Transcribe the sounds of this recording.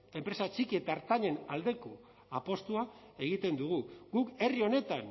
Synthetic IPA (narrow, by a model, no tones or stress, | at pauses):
e̞mpɾe̞sat͡ʃikie̞t̪aɾt̪aɲe̞nald̪e̞ko̞ | apo̞st̪uae̞ɣit̪e̞nd̪uɣ̞uɣuke̞rio̞ne̞t̪an